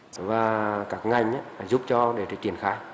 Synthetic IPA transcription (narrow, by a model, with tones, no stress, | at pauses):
vaː˨˩kaː˦˥k̚ŋa˨˩jŋ̟ʔaː˧˦˨zu˦˥p̚t͡ɕɔ˧ɗe˧˩t̪ʰə˨˩t͡ɕi˧˩ənxaː˧j